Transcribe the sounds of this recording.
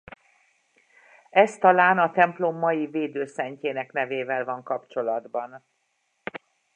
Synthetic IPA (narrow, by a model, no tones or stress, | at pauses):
ɛst̪ɒlaːnɒt̪ɛmplo̞mːɒjiveːd̪øːsɛɲceːnɛknɛveːvɛlvɒŋkɒpt͡ʃo̞lɒd̪bɒn